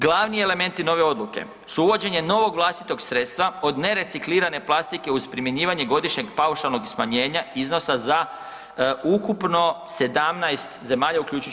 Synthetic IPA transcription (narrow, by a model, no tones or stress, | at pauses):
ɡlˠaʋnieleme̞nt̪ino̞ʋe̞o̞d̪lˠuke̞̰ | suuʋo̞d͡ʑe̞ɲe̞no̞ʋo̞ɡʋlˠast̪it̪o̞ɡsɾe̞t̪st̪ʋao̞d̪ne̞ɾe̞sikliːɾane̞plˠast̪ikeuzpɾime̞ɲiːʋaɲe̞ɡo̞d̪iʃɲe̞ɡpauʃalˠno̞ɡsmaɲe̞ːɲaizno̞saza | ukupno̞se̞d̪amnajst̪ze̞maːʎaukʎuːt͡ʃu